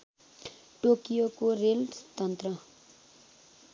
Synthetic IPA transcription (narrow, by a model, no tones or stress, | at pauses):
ʈokijokorelst̪ʌnt̪rʌ